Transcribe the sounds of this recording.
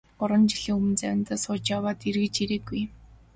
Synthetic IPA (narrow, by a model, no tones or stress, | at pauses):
ʊɾwə̆nt͡ɕiɮiːŋumɘ̆nt͡sæwʲɪ̆nt̪aːsʊːt͡ɕjawaːt̪irɣɘ̆t͡ɕiɾeːɡːuj